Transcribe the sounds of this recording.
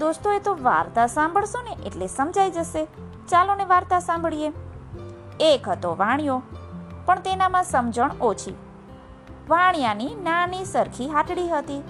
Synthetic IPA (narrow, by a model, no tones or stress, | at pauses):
d̪ost̪oet̪oʋa̰ɾt̪asãmbʱəɭsoneʔḛʈlesəmd͡ʒajd͡ʒəʃe | t͡ʃaloneʋaɾt̪asãmbɭije | ekɦət̪oʋãɳjopəɳt̪enamãsəmd͡ʒəɳot͡ʃʰḭ | ʋãɳjaninanisəɾkʰiɦaʈɽiɦət̪i